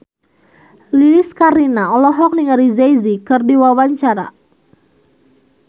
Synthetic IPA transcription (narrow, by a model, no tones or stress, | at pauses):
lilɪskaɾinaɔlɔɦɔk̚niŋaɾizajzikərdiwawaɲt͡ʃaɾa̰